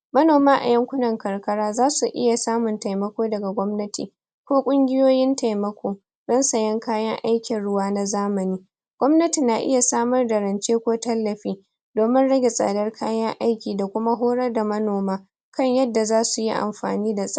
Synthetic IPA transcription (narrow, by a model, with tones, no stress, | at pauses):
mɐ˦noː˨maː˦ʔa̰˨jɐ˦ŋkʷʊ˦nɐ˨ŋkɐ˨rkɐ˦ɽaː˦zaː˦su˨ʔɪ̰˦ja˨saː˦mʊ˨nta˨jmɐ˦kʷoː˦dɐ˨ɡa˨ɡʷɔ˦mnɐ˦tḭː˨ | kʷoː˦kʷʼʊ˦ŋɡʲɪ˦joː˦jɪ˦nta˨jmɐ˦kʷʰoː˦ | zɐ˦nsɐ˨jɐ˦ŋkaː˦jɐ˦ŋʔa˦jkʲɪ˨nɽʊ˦waː˦na˦zaː˦mɐ˨niː˦ | ɡ̥ʷɔ˦mnɐ˦ti˨nːa˨ʔɪ̰˦ja˨saː˦mɐ˦rda˨ɾɐ˨nt͡ʃeː˦kʷoː˦tɐ˦lːɐ˨ɸiː˦ | doː˨mɪ˦nɽɐ˦ɡʲe˨sʼa̰ː˨dɐ˦rkʰaː˦jɐ˦ŋʔa˦jkʲiː˨da˨kʷʊ˦ma˦ɦoː˦ɽɐ˦rda˨mɐ˦noː˨maː˦ | kɐ˦ɲjɐ˦dːa˨zaː˦su˨ji˦ʔa̰˨mɸa̰ː˨niː˦da˨sʼ